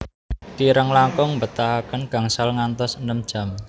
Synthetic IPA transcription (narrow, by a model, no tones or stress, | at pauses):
t̪iɾəŋlaŋkʊŋmbət̪aakənɡ̥a̤ŋsalŋant̪ɔsənəmd̥ʒ̥a̤m